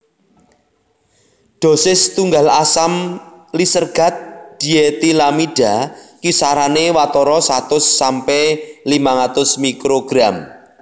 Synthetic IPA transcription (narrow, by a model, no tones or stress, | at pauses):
ɖ̪̥o̤sɪst̪uŋɡalasamlisərɡ̥ä̤t̪̚d̪̥i̤et̪ilamiɖ̥a̤kisaɾanewat̪ɔɾɔsat̪ʊsːampɛlimaŋat̪ʊsmikɾoɡ̥ɾam